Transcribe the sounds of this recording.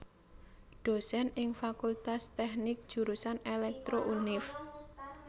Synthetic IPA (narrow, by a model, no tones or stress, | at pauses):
ɖ̪̥o̤sɛnɪŋfakult̪ast̪ɛhnɪk̚d̥ʒ̥ṳɾusanelɛk̚t̪ɾoʔunɪf